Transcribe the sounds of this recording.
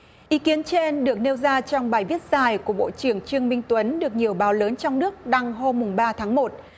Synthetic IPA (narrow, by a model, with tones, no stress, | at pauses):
ʔi˨˦ki˨˦ənt͡ɕe˧nɗɨ˨˩ək̚ne˧wzaː˧t͡ɕɔ˧wŋ͡mɓaː˨˩jvi˦˥ət̚z̥aː˨˩jku˧˩əɓo̰˧˨t͡ɕɨ˧˩əŋt͡ɕɨ˧əŋmï˧ŋ̟t̪wə˨˦nɗɨ˨˩ək̚ɲi˨˩əwɓaː˨˦wləː˨˦nt͡ɕɔ˧wŋ͡mnɨ˦˥ək̚ɗa˧ŋɦo˧mːʊ˨˩ŋ͡mɓaː˧t̪ʰaː˨˦ŋmo˨˩t̚